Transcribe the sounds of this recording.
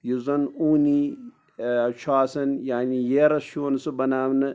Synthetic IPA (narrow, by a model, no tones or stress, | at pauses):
jizɐnuːni | t͡ʃʰaːsɐnjaːnijeɾɐsʃʰuʋɐnsɨbɐnaːʋnɨ